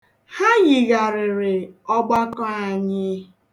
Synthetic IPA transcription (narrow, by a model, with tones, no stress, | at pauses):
ha˦ɣi˨ɣa˨ɾɪ˨ɾɪ˨ɔ˦ɡ͡ba˦kɔ˦a˨ɲɪ˦